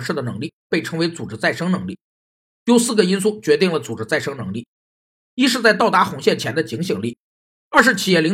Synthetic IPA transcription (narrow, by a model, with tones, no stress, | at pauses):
ʂɻ̩˥˩d̪ə˩nɤ˧˥ŋli˥˩pe˥˩ɪʈ͡ʂʰɤ˥ŋwe˧˥ɪt͡su˨˩ʈ͡ʂɻ̩˥t͡sa˥˩ɪʂɤ˥ŋnɤ˧˥ŋli˥˩ | jo˧˥ʊsɹ̩˥˩ɡə˩i˥nsu˥˩t͡ɕɥɛ˧˥t̪i˥˩ŋlə˩t͡su˨˩ʈ͡ʂɻ̩˧˥t͡sa˥˩ɪʂɤ˥ŋnɤ˧˥ŋli˥˩ | i˥ʂ̬ɻ̩˥˧t͡sa˥˧ɪt̪ɑ˥˩ʊt̪a˧˥xʊ˧˥ŋɕjɛ˥˩nt͡ɕʰjɛ˧˥nd̪ə˧t͡ɕi˧˥ŋɕi˨˩ŋli˥˩ | ə˞˥˧ʂ̬ɻ̩˥˩t͡ɕʰi˨˩jɛ˥˩li˧˥